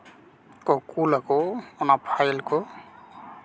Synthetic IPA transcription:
kɔkulakoɔnapʰajlko

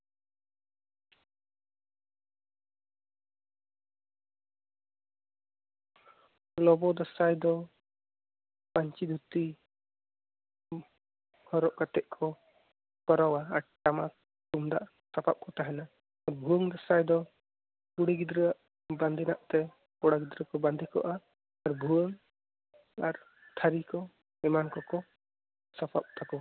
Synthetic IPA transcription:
lɔbɔd̪ɔsajd̪ɔ | paɲt͡ʃid̪ʱut̪i | hɔɾɔʔkat̪ɛʔkʰɔ | kɔɾawaːɾʈama | t̪umd̪a̰ʔ | sapʰap̚kɔt̪aɦɛnaː | ɾbʱuəŋd̪ɔsajd̪ɔ | kuɽiɡid̪ɾəaʔ | band̪ʱinaʔt̪ɛ | kɔɽaɡid̪ɾəkɔband̪ʱikɔ̰ʔaː | ɾbʱuwəŋ | aɾ | t̪ʰaɾikɔ | ɛmankɔkɔ | sapʰa̰p̚t̪ʰakɔ

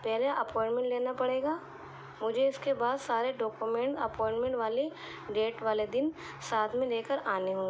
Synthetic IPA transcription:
pɛɦlaʔɐpɔ̃ːɪ̃ɳʈmɛ̃ɳʈleːnapɐɽeːɡaː | mʊd͡ʒʱeɪskebaːd̪saːɾeɖɔːkumẽɳʈɐpɔ̃ːɪ̃ɳʈmɛ̃ɳʈʋaːle | ɖeːʈʋaːled̪ɪn | saːt̪ʰmẽleːkəɾaːneɦõː

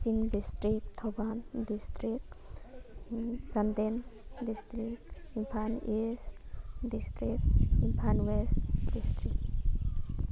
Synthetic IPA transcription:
siŋdist̪ɾik̚t̪ʰɔbandistɾik̚ | sand̪endist̪ɾikimpʰanisdist̪ɾik̚impʰanwestdistɾik̚

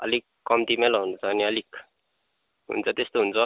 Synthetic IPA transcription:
a̰likːɔmt̪imɛlɔɦunt͡saːnialik | ɦṵnt͡sat̪est̪uɦunt͡sɔ

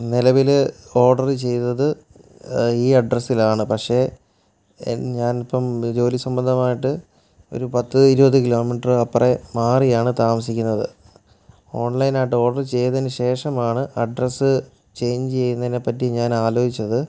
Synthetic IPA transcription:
nilɐʋilo̞ːɖɐrɨt͡ɕe̞jt̪ɐðɨ | iːɐɖrɐsilaːɳɨpɐkʂe̞ | ɲaːnipːɐmd͡ʑo̞ːlisɐmbɐnd̪ʱɐmaːjiʈːɨ | o̞̰ɾupɐt̪ːɨiɾubɐt̪ːɨkilo̞ːmiʈɐrɨɐpːremaːrijaːɳɨt̪aːmɐsikʲːunːɐðɨ | o̞ːɳlɐjnaːʈ̬ːɨo̞ːɖɐrt͡ɕe̞jɐt̪ðinɨɕe̞ːʂɐmaːɳɨɐɖrɐsɨ | t͡ɕe̞jɲd͡ʑt͡ɕe̞jːunːɐðinepːɐtːiɲaːnaːloːit͡ɕːɐðɨ

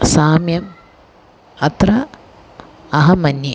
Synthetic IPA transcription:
saːmjɐm | ɐt̪rɐ | ɐɦɐmɐnji

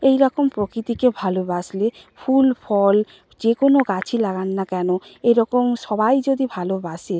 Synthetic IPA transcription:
ejɾɔkompɾokɾit̪ikebʱalobasle | fʰulfʰɔl | d͡ʑekonoɡat͡ɕʰilaɡanːakɛnoeɾɔkomʃɔbajd͡ʑod̪ibʱalobase

